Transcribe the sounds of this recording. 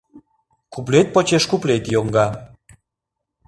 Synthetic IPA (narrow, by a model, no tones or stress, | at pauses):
kuplet̪̚pot͡ɕeʃkuplet̪joŋɡɑ